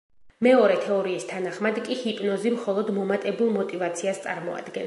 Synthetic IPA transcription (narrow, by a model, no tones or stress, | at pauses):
mɛɔɾɛt̪ʰɛɔɾiːst̪ʰanaχmad̪kʼihipʼnɔzimχɔlˠɔd̪mɔmat̪ʼɛbulˠmɔt̪ʼivat̪sʰiast̪sʼa̰ɾmɔa̰d̪̥ɡɛn